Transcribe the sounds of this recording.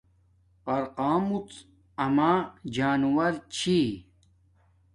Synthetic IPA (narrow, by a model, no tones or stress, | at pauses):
pɐɾqaːmut͡s | ɐmaːd͡ʑaːnwɐɾt͡ɕʰi